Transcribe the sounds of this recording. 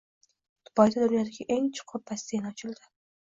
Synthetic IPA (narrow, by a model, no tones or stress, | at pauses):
t̪ʰʊ̥pɒjd̪ad̪ʊnjɒd̪ɪɡʲaʔeŋt͡ʃʰʊ̥qʰʊpʰːast̪enɒt͡ʃʰɪld̪ɪ